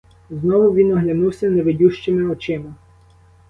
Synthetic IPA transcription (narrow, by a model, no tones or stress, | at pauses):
znɔʋʊʋʲinɔɦlʲɐnuwsʲɐneʋedʲuʃt͡ʃɪmɪɔt͡ʃɪmɐ